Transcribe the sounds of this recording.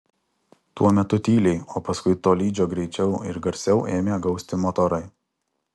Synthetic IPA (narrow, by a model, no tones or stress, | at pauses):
t̪uɔmʲɛt̪ʊt̪ʲiːlʲɛɪoːpɐskʊɪt̪oːlʲiːd͡ʒʲoːɡɾʲɛɪt͡ʃʲɛʊɪ̰ɾɡɐɾʲsʲɛʊʔeːmʲeːɡɒʊsʲt̪ʲɪmɔt̪ɔɾɐɪ